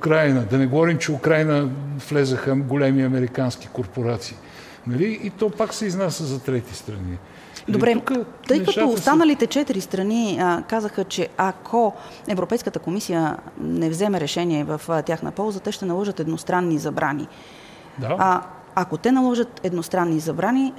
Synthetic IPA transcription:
ʊkɾajnəd̪ɐnɛɡovɔɾimt͡ʃɛʊkɾajnəflɛzəxəɡolɛmiɐmɛɾikanski̥koɾpoɾat̪siː | nɐliːt̪ɔpaksɛiznasʲəzɐt̪ɾɛt̪ist̪ɾɐni | d̪obɾɛt̪ɤjkət̪ɔːst̪anəlit̪ɛt͡ʃɛt̪iɾist̪ɾɐnikazəxət͡ʃɛakʰo | ɛvɾopɛjskət̪əkomisijənɛvzɛmɛɾɛʃɛniɛvɐft̪ʲjaxnə̰pɔlˠzət̪ɛʃt̪ɛnɐlˠɔʒət̪ɛd̪nost̪ɾanːizɐbɾʔanḭ | d̪a | akot̪ɛnɐlˠɔʒət̪ɛd̪nost̪ɾanːizɐbɾani

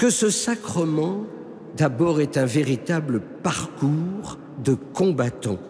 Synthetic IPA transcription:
kəsəsakχəmɑ̃ | d̪abɔʁɛt̪ɛ̃veʁit̪abləpaʁkuʁ | d̪əkɔ̃bat̪ɑ̃

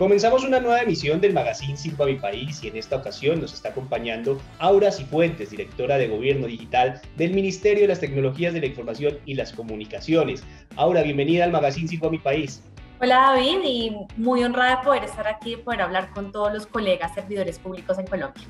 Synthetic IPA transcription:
ko̞me̞nsamo̞sunanwe̞βaemisjo̞nd̪e̞lmaɣasinsiɡamipaisie̞ne̞st̪aokasjo̞nːo̞se̞st̪aːko̞mpaɲãnd̪o̞ | awɾasifwe̞nt̪e̞zd̪iɾe̞k̚t̪o̞ɾaðe̞ɣo̞β̞jeɾno̞ðixit̪al | d̪e̞lminist̪e̞ɾjoelast̪e̞kno̞lo̞xiazðelaiɱfo̞ɾmasjo̞nilasko̞munikasjo̞ne̞s | awɾaβje̞mbe̞niðaːlmaɣasins̬iɡoamipais | o̞laðaβiðimujo̞nraðaepo̞ðe̞ɾest̪aɾakiepo̞ðeɾaβlaɾko̞nt̪o̞ðozlo̞sko̞le̞ɣasːe̞ɾbiðoɾe̞spuβliko̞se̞ŋko̞lõmbja

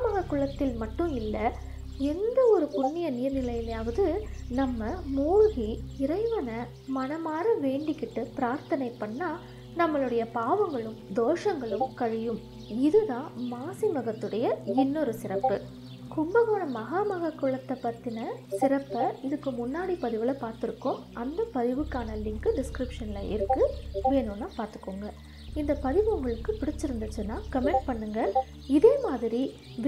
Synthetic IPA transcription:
mɐɣɐkːʊɭɐt̪ːɪlmɐʈːɯ̃ɪlːɐ | ɛnd̪ɐɔɾɯpʊɳːɪjɐnɪjɐɾnɪlɐjɪlɐjaːʋɐðɯnɐmːɐmoːɻɣiɪɾɐɪʋɐnɐ | mɐnɐmaːɾɐʋeːɳɖɪkːɪʈːɯpɪɾaːɾt̪ɐnɐɪpːɐɳːaː | nɐmːɐɭɯɽɐjɐpaːʋɐŋɡɐɭɯmd̪oːʂɐŋɡɐɭɯmkɐɻɪjɯm | ɪðɯðãːmaːsimɐɣɐt̪ːɯɽɐjɐɪnːɔɾɯsɪɾɐpːɯ | kʊmbɐɣoːnɐmɐɣaːmɐɣɐkːʊɭɐt̪ːɐpːɐt̪ːɪnɐsɪɾɐpːɐɪðɯkːɯmʊnːaːɽipɐðɪʋɪlɐpaːɾt̪ɪɾɯkːɯmɐnd̪ɐpɐðɪʋɯkːaːnɐlɪŋkɯɖɪskɾɪpʂɐnɪlɐʔɪ̰ɾɯkːɯʋeːnɯnːaːpaːɾt̪ɯ̥kːoːŋɡɐ | ɪnd̪ɐpɐðɪʋɯŋɡɐɭɯkːɯpɪɽɪt͡ʃːɯɾɯnd̪ɯt͡ʃːɯnːaːkɐmɛɳʈ̚pɐɳːɯŋɡɐ | ɪðeːmaːðɪɾi

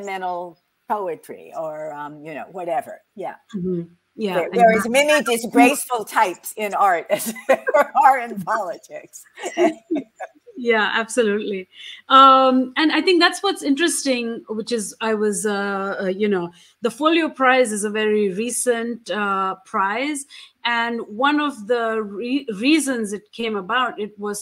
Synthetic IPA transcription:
mɛ̃ñl̩ˠ | pʰoʊɨtʰɹ̥ḭə˞ʌ̃mjɨno̰ʊwʌɾɛvə̰˞jæ̰m̩m̥m̩ | jæə̃ə˞ɪzmɛnidɪsɡɹeɪsfl̩ˠtʰaɪpsɪ̃naɹtɨz | ə˞ɪ̃npʰɑlˠətʰɪks | jæʔæb̥səlutˡliʌmɨ̃naɪt̪ɪ̃ŋk̚d̪ætswʌtsɪ̃ntɹ̥ɨstɪ̃ŋwɪt͡ʃɪzaɪwʌzəjɨnoʊ | ðəfoʊliopʰɹ̥aɪzɨzəvɛɹiɹiːsə̃ntʌpʰɹ̥aɪzɨ̃nwʌ̃nɔvðəɹiɹiːzə̃nzɨt̚kʰẽɪ̃məbaʊtɪt̚wʌz̥

